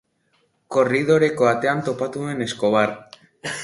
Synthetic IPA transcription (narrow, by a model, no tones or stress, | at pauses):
ko̞rið̞o̞ɾe̞ko̞at̪e̞ant̪o̞pat̪ue̞ne̞sko̞βar